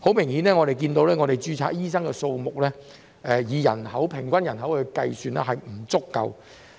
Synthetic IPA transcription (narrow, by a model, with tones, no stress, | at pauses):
ho˨˥wmɪ˨˩ŋhiː˨˥nɛː˥ŋɔ˨˧ɾe˨jk̬iː˧nt̪o˧wlɛː˥ŋɔː˨˧ɾe˨˩jt͡ʃyː˧t͡sʰa̰ː˧˥k̚jiː˥s̬ɐ˥ŋkɛ˧so˧wmʊ˨k̚lɛː˥ | ʔɛː˧jiː˨˧jɐ̰˨˩nhɐ˨˥wpʰɪ˨˩ŋkʷɐ˥njɐ˨˩nɦɐ˨˥wkɛ˧kɐ˧jsyː˨˧nlɛ̰ː˥ɦɐ˨jm̩˨˩t͡sʊ˥kːɐ̰˧w